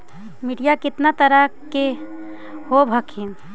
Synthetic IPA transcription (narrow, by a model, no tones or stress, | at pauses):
miɖijakɪt̪nat̪əɾəke | hobʱəkʰin